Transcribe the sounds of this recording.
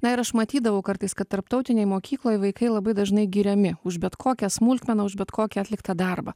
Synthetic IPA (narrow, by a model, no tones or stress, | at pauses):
nɐɪɾɐʃmɐt̪ʲiːd̪ɐʋɐʊkɐɾt̪ɐɪskɐt̪t̪ːɐɾp̚t̪ɐʊt̪ʲɪnʲɛɪmoːkʲiːklˠoːjʋɐɪkɐɪlˠɐbɐɪd̪ɐʒnɐɪɡʲiːɾʲɛmʲɪʊʃbʲɛt̪kʰoːkʲɛsmʊlʲt̪ʲmʲɛnɐʊʒbʲɛt̪kʰoːkʲɛɐt̪ʲlʲɪkt̪ɐd̪ɑɾbɐ̰